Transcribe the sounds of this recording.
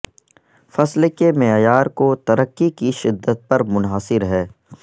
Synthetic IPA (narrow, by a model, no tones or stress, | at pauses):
fɐslekemeːjaːɾkot̪ɐɾəkːikiʃɪd̪ːət̪̚pɐɾmʊnɦaːsɪɾɦɛː